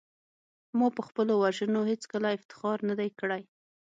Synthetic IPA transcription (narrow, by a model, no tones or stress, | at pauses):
mɑpəxpəlowaʒənoɦet͡skəlaɪft̪ɪ̥xɑɾnad̪ajkəɽaj